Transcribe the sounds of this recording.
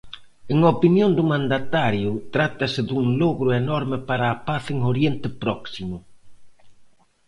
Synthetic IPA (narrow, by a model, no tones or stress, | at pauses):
eŋopinjond̪ʊmãnd̪at̪aɾjʊt̪ɾat̪ɐsɪðuŋloɣɾʊenɔɾmɪpaɾɐːpaθeŋoɾjent̪ɪpɾɔksimʊ